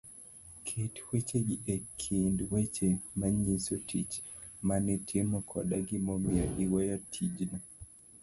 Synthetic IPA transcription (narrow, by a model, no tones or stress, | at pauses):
kʰetwet͡ʃeɡɪʔekʰindwet͡ʃemaɲisotʰit͡ʃ | manitʰɪmɔkʰɔɗaɡɪmɔmiaʔiwɔjatʰid͡ʒna